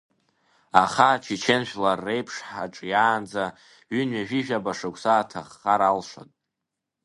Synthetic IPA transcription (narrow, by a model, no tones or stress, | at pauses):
aχat͡ʃʰit͡ʃʰenʃᶣlarːe̞jpʰʂħaʈ͡ʂʼjaːnd͡za | ɥynɥaʒᶣiʒᶣabaʂakʷʰʼsaːtʰaχːaɾalʂa̰tʼ